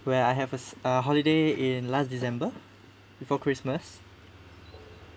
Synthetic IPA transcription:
wɛajɦɛvəsəɦɔlideĩnlasdisɛ̃mbə | b̥ifɔkʰɹisməs

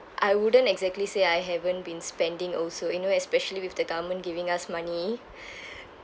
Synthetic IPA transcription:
ʔajwudə̃ntɛɡzɛk̚tliseajɦɛvə̃ntbĩnspɛ̃ndĩŋɔlsojunoɛspɛʃəliwɪfdəɡavəmə̃ntɡivɪ̃ŋasmani

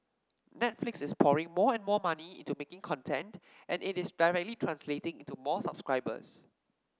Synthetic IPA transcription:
nɛtflɪksɪspʰɔɹɪ̃ŋmɔɛ̃nmɔmaniḭ̃ntumekɪ̃ŋkʰɔ̃ntʰɛ̃nt | ʔɛ̃nɪtɪsdaɪɹɛk̚tlitʰɹãnsletɪ̃ŋĩntumɔsab̥skɹaɪbə̰s

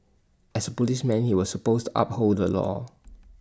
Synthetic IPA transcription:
ʔɛsəpɔlismɛ̃nhiwɔsːəpostuʔa̰p̚hoddəlɔ̰

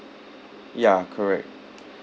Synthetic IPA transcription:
jakʰəɹɛ̰k̚t̚

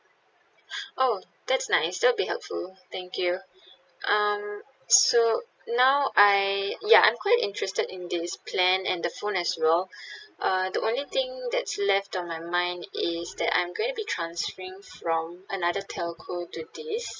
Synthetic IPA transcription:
ʔo | d̪̥ɛtsnaɪsdɛlbiɦɛ̰lpfult̪ɛ̃ŋkʰju | ʔʌ̃m | so | naʊʔaɪjaã̰ɪj̃mkʰwaɪtɪ̰̃ntʰɹɛstədɪ̃nd̪ɪspʰlɛ̃nɛ̰̃ndəfõnɛswɛlʔʌdiʔõnlit̪ɪ̃ŋd̪ɛtslɛftɔ̃nmaɪmãɪ̃ndɪsd̪ɛtã̰j̃mɡõɪ̃ŋtubitʰɹãnsfəɹɪ̃ŋfɹɔ̃mʔənadətʰɛlkʰotudis

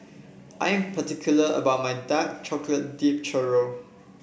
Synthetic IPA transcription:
ʔajɛ̃mpʰətikʰjuləə̰bawt̚majdak̚t͡ʃɔklət̚dip̚t͡ʃɛɹo

